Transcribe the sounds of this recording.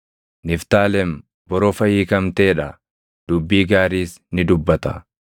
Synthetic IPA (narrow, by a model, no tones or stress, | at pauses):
nɪft̪aːlɛm | bɔɾɔfɐjiːkɐmt̪eːᶑɐ | d̪̥ʊbːiːɡaːɾiːs | nɪd̪ʊbːɐt̪ɐ